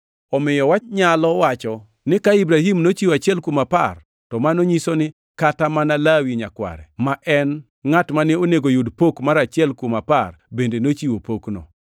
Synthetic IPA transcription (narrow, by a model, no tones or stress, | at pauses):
ɔmɪjɔwaɲalɔwat͡ʃɔ | nɪkaibɾahimnot͡ʃiwat͡ʃɛlkumapar | tɔmanoɲisonɪ | katamanalawiɲakwa̰ɾɛmaʔɛn | ŋatmanɪoneɡojudpokmaɾat͡ʃɪɛlkomaparbendenot͡ʃiwopoknɔ̰